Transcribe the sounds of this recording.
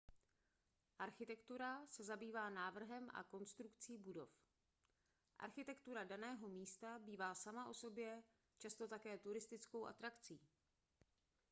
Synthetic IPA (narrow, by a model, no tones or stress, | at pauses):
ʔaɾxɪt̪ɛkt̪uɾasɛzabiːvaːnaːvr̩ɦɛmʔa̰ko̞nst̪ɾukt͡siːbudo̞̰f | ʔa̰ɾxɪt̪ɛkt̪uɾadanɛːɦo̞miːst̪abiːvaːsamaʔo̞so̞bjɛ | t͡ʃast̪o̞t̪akɛːt̪uɾɪst̪ɪt͡sko̞wʔa̰t̪ɾakt͡siː